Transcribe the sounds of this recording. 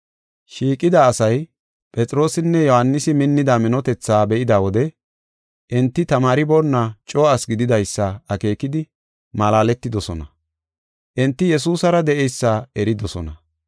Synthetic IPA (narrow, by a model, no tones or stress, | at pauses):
ʃiːkʼːɪd̪aːsɐj | pʼɛt͡sʼɪɾo̞ːsɪnːɛjɔhanːɪsɪmɪnːɪd̪aːmɪnɔt̪ɛt͡sːaːbɛʔɪd̪aːwɔd̪ɛ | ʔɪnt̪ːɪt̪ɐmaːɾɪbonːat͡ʃʼo̞ːɐsɡɪd̪ɪd̪ɐjsːɐɐke̞ːkɪd̪ɪ | mɐlaːlɛt̪ːɪd̪ɔsɔnɐ | ʔɪnt̪ːɪjɛs̬uːsɐɾɐd̪ɛʔɛjsːaɛɾɪd̪ɔsɔ̰nɐ